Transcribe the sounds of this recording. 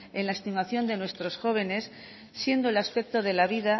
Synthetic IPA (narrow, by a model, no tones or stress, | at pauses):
e̞nlaest̪imaθjo̞nd̪e̞nwe̞st̪ɾo̞sxo̞β̞e̞ne̞sː | je̞nd̪oelaspe̞k̚t̪oðe̞laβiða